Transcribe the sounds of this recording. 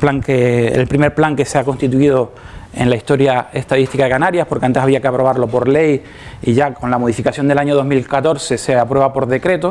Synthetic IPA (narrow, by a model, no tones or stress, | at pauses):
plaŋkeḛlpɾime̞ɾplaŋke̞seako̞nst̪it̪uiðo | e̞̰nlaist̪o̞ɾjae̞st̪aðist̪ikaðe̞kanaɾjahpoɾkeant̪eaβiakeapɾo̞β̞aɾlo̞po̞ɾle̞j | iʝako̞nlamoð̞ifikasjo̞nd̪e̞laɲoð̞o̞ɦmilkat̪o̞ɾse̞se̞apɾwe̞βapo̞ɾðe̞kɾe̞t̪o̞